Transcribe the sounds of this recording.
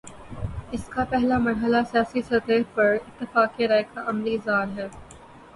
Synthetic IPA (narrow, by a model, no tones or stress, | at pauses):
ɪskapɛɦlamɐɾɦəlasijaːsisɐɾt̪eːɾpɐɾɪt̪ːɪfaːkːeɾaːɪkaʔɐmlizaːɾɦɛː